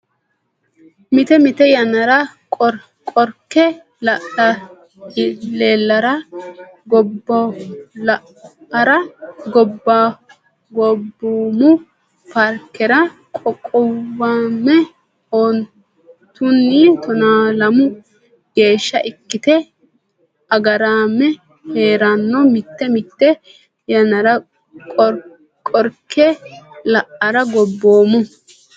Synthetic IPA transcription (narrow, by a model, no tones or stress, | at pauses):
mɪt̪ɛmɪt̪ɛjɐnɐɾɐ | kʼɔɾ | kʼɔɾkːɛ | lɐʔɐ | leːlːɐɾɐ | ɡɔbːɔlɐ | ɐɾɐɡɔbːa | ɡɔbːumʊ | pɐɾkːɛɾɐ | kʼɔkʼːɔwamːɛ | ɔn | t̪ʊnːit̪ɔnaːlɐmʊ | ɡ̥e̞ːʃːɐ̰ʔɪkːɪt̪ɛ | ɐɡɐɾaːmːɛ | he̞ːɾanːɔmɪt̪ːɛmɪt̪ːɛ | jɐnɐɾɐ | kʼɔ | kʼɔɾkʰːɛlɐʔɐɾɐɡɔbːoːmʊ